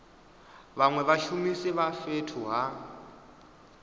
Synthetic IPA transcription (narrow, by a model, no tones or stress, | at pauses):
βaŋwɛβaʃumisɛβafetʰuɦa